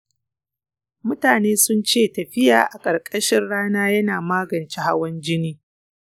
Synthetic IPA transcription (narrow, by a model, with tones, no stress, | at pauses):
mʊ˦taː˨neː˦sʊ˦nt͡ʃeː˦˨tɐ˨ɸɪ˦ja̰ː˨ʔa˨kʼɐ˨ɾkʼɐ˦ʃɪ˦nɽaː˦naː˦jɐ˦naː˨maː˦ɡɐ˨nt͡ʃi˦ha˦wɐ˦nd͡ʒɪ˦niː˦